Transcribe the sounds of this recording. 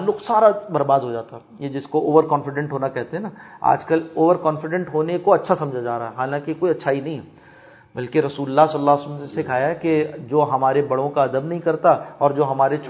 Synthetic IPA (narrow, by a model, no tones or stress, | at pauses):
lːʊksaːɾabɐɾbaːd̪ɦod͡ʒaːt̪aɦɛ | jed͡ʒɪskooːʋəɾkɔːnfɪɖɛ̃ɳʈɦoːnakɛɦt̪ẽɦɛ̃naːa̰ːd͡ʒkəloːʋəɾkɔːnfɪɖɛ̃ɳʈɦoːnekoɐtːʃʰasɐ̃md͡ʒʱad͡ʒaːɾaɦɛɦaːnãkikoːiɐtːʃʰaːinɐɦĩɦɛː | bɐlkeɾɐsuːləlːaɦsɐləlːaːsmsekʰaːjaɦɛked͡ʒoːɦɐmaːɾebɐɽõkaɐd̪əbnɐɦĩkɐɾt̪aɔːɾd͡ʒoːɦɐmaːɾet͡ʃ